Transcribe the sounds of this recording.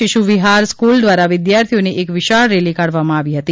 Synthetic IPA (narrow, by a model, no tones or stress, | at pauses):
ɪʃuʋɪɦaːɾskuːld̪ʋaːɾaʋɪd̪jaːɾt̪ʰijoneʔeːkʋɪʃaːɾːelikəɽʋamãaːʋiɦət̪i